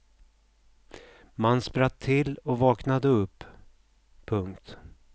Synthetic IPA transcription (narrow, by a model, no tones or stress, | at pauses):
manːspɾat̪ʰːɪlɔvɑːknad̪əɵpː | pʰːɵŋkt̪